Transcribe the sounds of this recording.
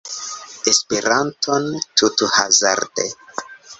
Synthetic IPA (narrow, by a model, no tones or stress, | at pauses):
espeɾantʰontʰutuhaza̰ɾde